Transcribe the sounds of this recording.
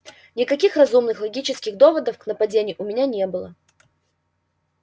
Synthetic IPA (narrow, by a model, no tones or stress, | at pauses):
nʲɪkɐkʲixrɐzumnɨxlˠɐɡʲit͡ɕɪskʲɪɣd̪o̞vəd̪əfknəpɐdʲenʲɪjʊʔʊmʲɪnʲanʲe̞bɨlˠə̰